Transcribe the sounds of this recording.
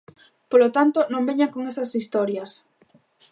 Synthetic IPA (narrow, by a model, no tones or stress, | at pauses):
polot̪ant̪onõmbeɲakoŋesɐsist̪ɔɾjɐs